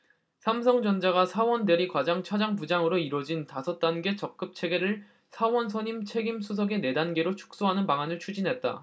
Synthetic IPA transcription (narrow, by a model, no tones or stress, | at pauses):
sʰams̬ʰʌŋd͡ʑʌnd͡ʑaɡasʰawʌnde̞ɾikwad͡ʑaŋt͡ɕʰad͡ʑaŋpud͡ʑaŋɯɾoiɾwʌd͡ʑintasʰʌt̚t͈anɡe̞t͡ɕʌk̚k͈ɯp̚t͡ɕʰe̞ɡe̞ɾɯɭ | sʰawʌnsʰʌɲimt͡ɕʰe̞ɡimsʰus̬ʰʌɡe̞ne̞danɡe̞ɾot͡ɕʰu̥k̚s͈oɦanɯnpaŋanɯɭt͡ɕʰud͡ʑinɦe̞t̚t͈a̰